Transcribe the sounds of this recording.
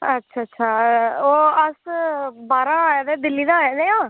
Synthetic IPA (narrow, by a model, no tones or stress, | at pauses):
ətːʃʰaːətːʃʰaːoːəsbaːɾãːd̪ɛːd̪ɪlːiːd̪aːɦɛːd̪ẽːãː